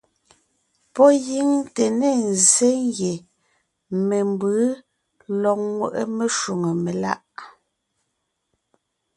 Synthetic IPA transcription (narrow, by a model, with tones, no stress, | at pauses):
pɔ˦ji˨˦ŋte˨ne˦˨n˨ze˦ŋɡje˨ | me˨mbɯ˨˦ | lɔ˨k̚ŋwə̰˨ʔə˦me˦ʃu˨ŋə˨me˨la̰˦ʔ